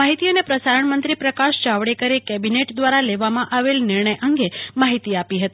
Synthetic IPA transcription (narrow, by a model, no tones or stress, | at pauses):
aɦit̪ionepɾəsaɾəɳmənt̪ɾipɾəkaʃd͡ʒaʋɽekəɾekɛbineʈd̪ʋaɾaleʋamãʔaʋelnɪɾɳəjʔəŋɡemaɦit̪iapiɦət̪i